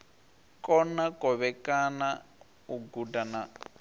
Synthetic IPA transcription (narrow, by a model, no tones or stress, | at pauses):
kɔnakʼɔβɛkana | uɡudana